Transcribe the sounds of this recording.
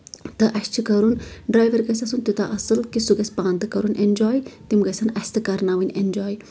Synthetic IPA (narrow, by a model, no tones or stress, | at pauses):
t̪ɨʔɐst͡ʃʰikɐɾunɖɾaːjʋɐɾɡɐsɐsunt̪ut̪aʔɐsɨlkisuɡɐsʲpãːnd̪ɨkɐɾunend͡ʒaːjt̪imɡɐsɐnɐst̪ɨkɐɾnaːʋinʲend͡ʒaːj